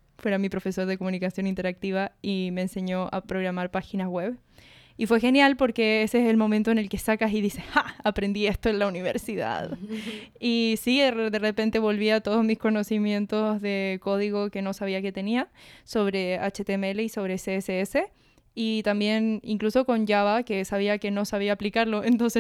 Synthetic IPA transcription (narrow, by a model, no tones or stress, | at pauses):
fweɾamipɾo̞fe̞so̞ɾðeko̞mũnikasjo̞nint̪e̞ɾak̚t̪iβaime̞ːnse̞ɲo̞ʔa̰pɾo̞ɣɾamaɾpaxinawe̞β | ifwe̞xe̞njalpo̞ɾke̞eseeselmo̞mẽnt̪oene̞lke̞sakasiðise̞saapɾe̞nd̪ie̞st̪oe̞nlauniβeɾsiða̰ð | isid̪e̞repe̞nt̪e̞βo̞lβiat̪o̞ðozmisko̞no̞simje̞nt̪o̞zðe̞ko̞ðiɣo̞ke̞no̞saβiake̞t̪e̞niaso̞βɾe̞at͡ʃet̪emeele̞iso̞βɾeseeseese̞ | it̪ambje̞nḭŋkluso̞ko̞nd͡ʒaβake̞saβ̞iake̞no̞saβ̞iaːplikaɾlo̞ent̪o̞nse